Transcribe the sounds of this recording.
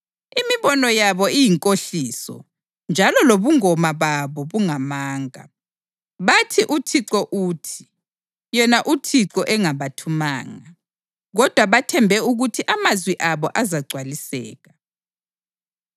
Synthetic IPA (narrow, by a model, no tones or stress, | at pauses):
imiβɔnɔjaβɔijiŋkʼoɬiːsɔ̰ | nd͡ʒʱalɔloβuŋɔmaβaβɔβuŋamaːŋa̰ | βatʰiʔutʰiǀɔʔuːtʰi̥ | jɛnaʔutʰiǀɔʔɛŋaβatʰuma̰ːŋa | ɣɔd̥ʱwaβatʰɛmbʱɛuɣutʰiʔamazwiʔaβɔʔazaɡ͡ǀʱwalisɛ̰ːɣa